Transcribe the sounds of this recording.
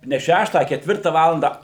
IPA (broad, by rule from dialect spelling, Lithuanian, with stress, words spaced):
nʲɛ ˈʃʲæːʃtɑː ɐ kʲɛtʲˈʋʲɪrtɐ ˈʋɑːlˠɐndɐ